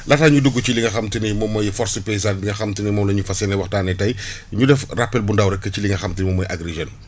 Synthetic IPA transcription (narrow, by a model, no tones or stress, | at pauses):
lɐtaːɲuduɡːut͡ʃiliŋɡɐxɐmtinimɔmɐjfɔɾsəpes̬aːndiŋɡɐxɐmtinimɔːmlɐɲufɐsɛnɛwɐxtaːnɛtɐj | ɲudɛfrapːɛlbundawɾɛkːɐciliŋɡɐxɐmtinimɔmːɐjʔaɡɾeʒɐn